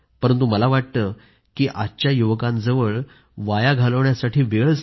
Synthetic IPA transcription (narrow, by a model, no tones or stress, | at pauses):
pəɾənt̪̬uməlaʋaʈ̚t̪ə | kiːʔatːt͡ɕjajuʋəkãnd͡zəʋəɭ | ʋajaɡʱaləʋɳjasaʈʰiːʋeɭs